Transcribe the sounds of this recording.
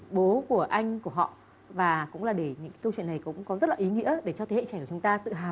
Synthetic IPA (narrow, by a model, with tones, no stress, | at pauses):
ɓo˨˦ku˧˩əʔa˧jŋ̟ku˧˩əɦɔ̰˧˨ | vaː˨˩kʊ̰˧˥ŋ͡mlaː˨˩ɗe˧˩ɲɨ̰˧˥ŋkkə˧wt͡ɕwḭ˧˨na˨˩jkʊ̰˧˥ŋ͡mkɔ˨˦zə˦˥t̚laː˨ʔi˨˦ŋḭ˧˥əɗe˧˩t͡ɕɔ˧t̪ʰe˨˦hḛ˧˨t͡ɕɛ˧˩kːt͡ɕʊ˨˦ŋ͡mt̪aː˧t̪ɨ̰˧˨ɦaː˨˩w